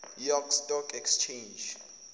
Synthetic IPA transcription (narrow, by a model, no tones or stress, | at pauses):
jɔkstʼɔkʰɛkst͡ʃʰẽnd͡ʒ